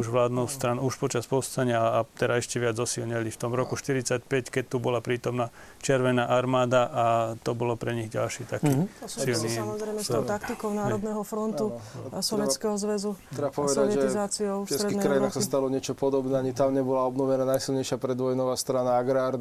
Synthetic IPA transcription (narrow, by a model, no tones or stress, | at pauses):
uʒʋlaːd̪nɔʊst̪ɾanuʃpɔt͡ʃaspɔst̪aɲɪaːt̪ɛdaɛʃcɛʋɪad͡zɔsilɲɛlift̪ɔmɾɔkuʃt̪iɾit͡sacpɛckɛct̪ubɔlapɾiːt̪ɔmna | t͡ʃɛɾʋɛnaːʔaɾmaːd̪aʔat̪ɔbɔlɔpɾɛɲiɣɟa̰lʃiːt̪akiːɔsilniamɔzɾɛjmɛsɔʊt̪akt̪ikɔʊnaːɾɔd̪nɛɦɔfɾɔnt̪usɔʋjɛskɛɦɔzʋɛzut̪ɾɛbapɔʋɛd̪aɛʒɛt̪zaːt͡siɔʊɛɾɛdiɛkɾajinaxsast̪alɔɲɪɛt͡ʃɔpɔd̪ɔbnɛːaɲit̪amɲɛbɔlaɔbnɔʋɛnanajsilɲɛjʃɪapɾɛd̪ʋɔjnɔʋaːst̪ɾanaaɡɾaːɾ